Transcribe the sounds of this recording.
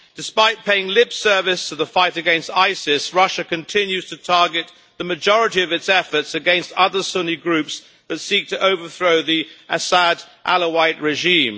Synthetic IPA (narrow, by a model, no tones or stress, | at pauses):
d̥ɨspaɪt̚pʰeɪɪ̃ŋlɪb̥sɜ˞vɨstʰəðəfaɪɾɨɡɛ̃nstaɪsɪsɹʌʃɨkɨ̃ntʰɪ̃njʉz̥tʰɨtʰɑɹɡɨt̪̚ | ðɨmɨd͡ʒɔɹɨɾiʌvɨtsɛfə˞tsɨɡɛ̃nstʌðə˞sʊniɡɹʉps | ðɨtsik̚tʰɨʔoʊvə˞θɹoʊðiʔɨsəɾʔæ̰lˠəwaɪt̚ɹɨʒĩm